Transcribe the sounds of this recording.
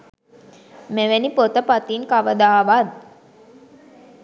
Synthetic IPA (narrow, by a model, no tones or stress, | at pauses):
meʋenipot̪əpat̪iŋkaʋəd̪aːʋad̪